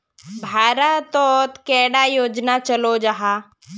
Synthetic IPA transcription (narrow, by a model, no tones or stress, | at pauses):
bʱaːɾat̪ɔːt̪kɛːɽajoːd͡ʒnat͡ʃəlod͡ʒaɦa